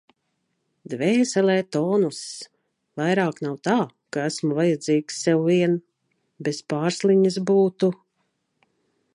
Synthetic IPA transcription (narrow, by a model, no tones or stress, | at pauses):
d̪vɛːsɛlɛːt̪ɔːnus | vajɾaːknawt̪aː | kaæsmuvajad̪ziːksːɛwviɛn | bespaːɾsliɲis̬buːt̪u